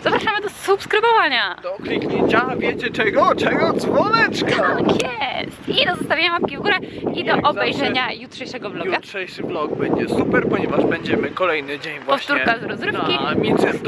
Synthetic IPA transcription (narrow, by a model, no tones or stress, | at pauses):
z̥apɾaʂamɘd̪ɔsupskɾɘbɔvaɲad̪ɔklʲikɲeɲt͡ɕavʲjet͡ɕɛt͡ʂɛɡɔt͡ʂɛɡɔd̪zvɔnɛt͡ʂk̪aakjɛst̪id̪ɔzɔst̪avʲeɲamap̚kʲivɡuɾɛid̪ɔʔɔbɛjʐɛɲajutʂɛjʂɛɡɔvblɔɡatʂɛjʂɨblɔɡ̚bɛɲd͡ʑɛsupɛɾpɔɲɛvaʐbɛɲd͡ʑɛmɘkɔlɛjnɘd͡ʑeɲvwɔfɕt̪uɾɛkazɾɔzɾɘfkkʲimʲit̪ɛt̪